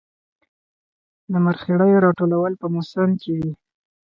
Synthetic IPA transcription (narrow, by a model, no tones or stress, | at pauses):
lamaɾxeɽəjoɾɑʈolawəlpəmosənkewi